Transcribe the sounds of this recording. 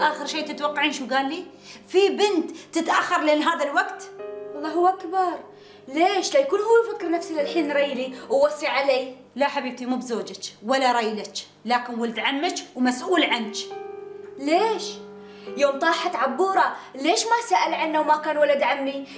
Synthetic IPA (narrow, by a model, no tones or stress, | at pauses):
ʔaːxɪɾʃeːt̪ɪt̪wɑqːɑʕiːnʃuːɡaːlːiː | fibɪnt̪t̪ːɪt̪ʔaxːɑɾˤleɪːnɦaːðalwaɡt̪ɑlˤːɑːhʊwːʔakbɑɾˤ | leːʃlajakuːnhuːafɪkːɾnafsilɪlħiːnːɾijːliwwɑsˤːiʕaleː | laħabiːb̚t̪imuːbzoːd͡ʒɪt͡ʃwalːaɾˤɑjlɪt͡ʃ | laːkɪnwald̪ʕamːɪt͡ʃwmasʔuːlʕant͡ʃ | leːʃ | joːmt̪ˤɑːħat̪ʕabːuːɾˤɑleːʃmasaːʔalʕanːawmakaːnwalad̪ʕamːi